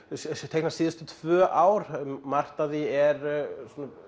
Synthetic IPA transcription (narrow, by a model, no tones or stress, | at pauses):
st̪ʰehknasiːðʏst̪ʏt̪ʰv̥œːʔaːwɾ̥mar̥t̪aðiɛɾsɔna